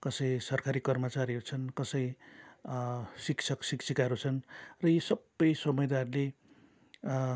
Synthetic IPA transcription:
kʌsʌjsʌrkaɾikʌrmʌt͡saɾiɦʌɾut͡sʰʌnkʌsʌj | sikt͡sʰʌksiksikaɾut͡sʰʌnrʌjisʌbːʌjsʌmʌjd̪arle

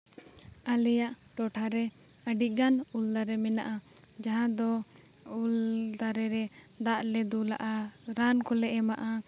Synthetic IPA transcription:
alɛjaʔ | ʈɔʈʰaɾɛ | əɖiɡanuld̪aɾɛmɛnaʔa | d͡ʒaɦãd̪ɔ | uld̪aɾɛɾɛ | d̪aʔlɛd̪ula̰ʔaɾankɔlɛʔɛmaʔa

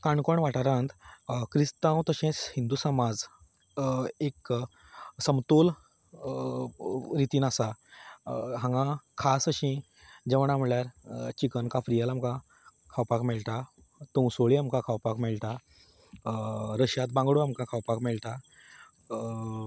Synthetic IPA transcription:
kãɳkɔɳʋaʈaɾãnt̪kɾist̪ãwt̪əɕẽhĩnd̪usəmad͡z | ek | səmt̪ol | ɾit̪iːnasa | ɦãŋɡãkʰasəɕĩ | d͡ʑəʋəɳam̤ɭjaɾt͡ɕikənkãfɾijalamkã | kʰawpakmɛɭʈ̪a | t̪ə̃w̃soɭiamkãkʰawpakmɛɭʈa | ɾəɕjat̪̚bãŋɡɽuamkãkʰawpakmɛɭʈ̪a

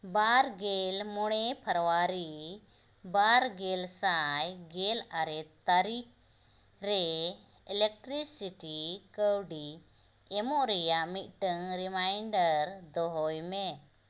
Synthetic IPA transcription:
baɾɡɛlmɔɽ̃ɛpʰəɾɔwaɾi | baɾɡɛlsajɡɛlaɾɛt̪aɾik̚ | ɾɛ | ɛlɛk̚ʈɾisiʈikəwɖi | ɛmɔʔɾɛjaʔmit̪̚ʈəŋɾimajɳɖəɾd̪ɔɦɔjmɛ

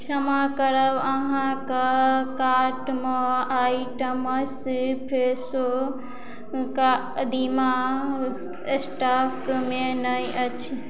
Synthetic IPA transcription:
t͡ʃʰɐmakəɾəbɐɦãkəkaːɾʈmoaːiʈəməspʰɾeso | ka | d̪ima | sʈapmẽnəjət͡ʃʰi

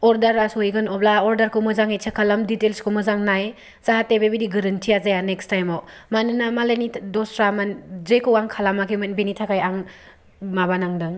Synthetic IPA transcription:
ɔɾdaɾasɔjɡɯnɔblaɔɾdaɾkʰɯmɯzaŋet͡ʃʰekʰalamditelskʰumɯzaŋnaj | zaɦatebebidiɡɐɾɯntʰiazajanekstajma | manɯnamalenidɔsɾamanzekʰɯwaŋkʰalamakʰemɐnbenitʰakajaŋ | mabanaŋdaŋ

